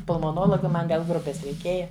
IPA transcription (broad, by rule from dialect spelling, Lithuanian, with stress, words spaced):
pʊlˠmoːˈnoːlˠoːɡɐ ˈmɐn ʋʲɛlˠ ˈɡrʊpʲɛs rʲɛɪˈkʲeːjɛ